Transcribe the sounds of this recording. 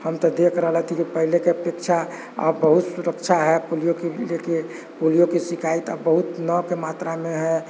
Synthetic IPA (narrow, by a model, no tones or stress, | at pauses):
həmt̪ɔd̪ekʰɾəɦləɦt̪ʰikipəɦilekepekt͡ʃʰa | ə̰bəɦut̪suɾəkt͡ʃʰaɦɛpolijokileke | polijokisikʰait̪a̰bbəɦut̪nɔkemat̪ɾamẽɦɛ